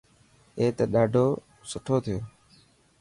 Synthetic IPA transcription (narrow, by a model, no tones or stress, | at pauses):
eːt̪eːɗaːɖʱoː | sʊʈʰoːt̪ʰɪjoː